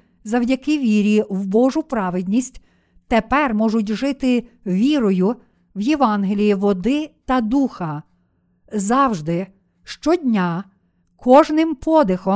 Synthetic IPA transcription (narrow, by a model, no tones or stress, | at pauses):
zɐwdʲɐkɪʋʲiɾʲiwbɔʒʊpɾɑʋɪd̪ʲnʲisʲtʲ | t̪epɛrmɔʒʊtʲʒɪt̪ɪ | ʋʲiɾɔjʊ | wjeʋɑnɦelʲijiʋɔd̪ɪt̪ɐd̪uxɐ | zɑwʒd̪ɪ | ʃt͡ʃɔdʲnʲa | kʰɔʒnɪmpʰɔd̪ɪxɔ